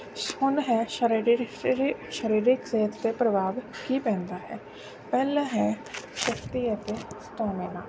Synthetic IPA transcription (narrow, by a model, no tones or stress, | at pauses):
hʊnɦɛʃəɾ | ʃəɾiːɾɪkseːt̪t̪epɾəbʱaːʋkipɛ̃ːnd̪aːɦɛː | pɛːlaɦɛːʃəkt̪iət̪est̪ɔːmenaː